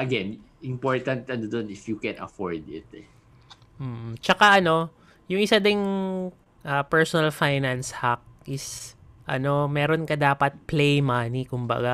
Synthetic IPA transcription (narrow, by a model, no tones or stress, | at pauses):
ʔɐɡɛnʔɪmpoɹt̪ɐnt̪ʔɐnod̪onɪfjukɛnɐ̰foɹd̪ɪt̪ɛ | m̩ːt͡ʃɐkaʔɐno̞ | jʊŋʔɪsad̪ɪŋ | ʔɐpɛɹsonɐlfajnɐnshak̚ʔɪs | ʔɐ̰no̞mɛːɾonkɐd̪aːpɐt̪̚plejmanikʊmbɐ̰ɡa